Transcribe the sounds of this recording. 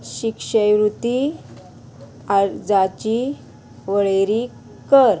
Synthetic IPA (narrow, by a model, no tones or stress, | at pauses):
ɕikʂəjʋɾut̪i | ad͡zat͡ɕi | ʋəɭeɾi | kəɾ